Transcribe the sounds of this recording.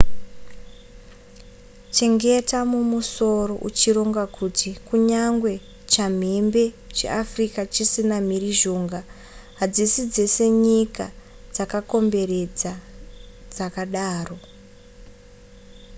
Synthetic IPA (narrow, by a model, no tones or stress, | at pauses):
t͡ʃe̞ŋɡe̞tamumuso̞ro̞ʔut͡ʃiɾo̞ŋɡakʰutikuɲaŋɡwe̞ | t͡ʃam̤embe̞ | t͡ʃe̞̰ʔafrikat͡ʃisinam̤iriʒo̞ːŋɡa | ɦad͡zisid͡ze̞se̞ɲika | d͡zakako̞mbe̞re̞d͡za | d͡zakaɗaːro̞